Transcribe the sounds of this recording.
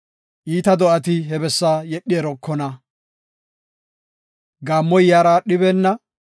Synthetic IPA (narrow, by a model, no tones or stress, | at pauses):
ʔiːt̪ɐd̪ɔʔɐt̪ɪɦɛbɛsːaːjɛɗːɪɛɾɔkːɔnɐ | ɡaːmːɔjjaːɾaːɗɪβɛnːɐ